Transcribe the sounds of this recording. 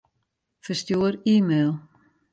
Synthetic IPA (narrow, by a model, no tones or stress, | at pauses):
fəstjuəɾiːmeːlˠ